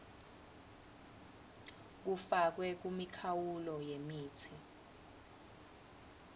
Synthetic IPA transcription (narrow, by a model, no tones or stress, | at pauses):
k̬ufak̬wɛk̬umikʰawulɔjemiːt͡sʰi